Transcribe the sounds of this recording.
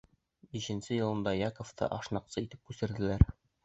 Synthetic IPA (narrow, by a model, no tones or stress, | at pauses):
biɕɘ̆nsɘjɤ̆lˠɤ̆nd̪ɑjɑkŏft̪ɤ̰ʔɒʃnɑqsɤit̪ɘp̚kʉsɘ̆ɾd̪ɘ̆læɾ